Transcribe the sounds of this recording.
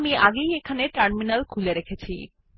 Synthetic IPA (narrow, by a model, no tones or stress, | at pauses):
miaɡejekʰaneʈɐɾminalkʰuleɾekʰet͡ɕʰḭ